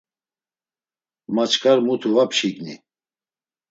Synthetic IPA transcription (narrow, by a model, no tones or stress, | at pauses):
mat͡ʃʰkʰʼaɾmut̪ʰuvapʃiɡnḭ